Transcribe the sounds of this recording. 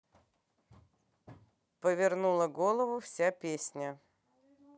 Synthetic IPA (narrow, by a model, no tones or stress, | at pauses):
pəvʲɪrnulˠəɡolˠəvʊfsʲapʲesʲnʲə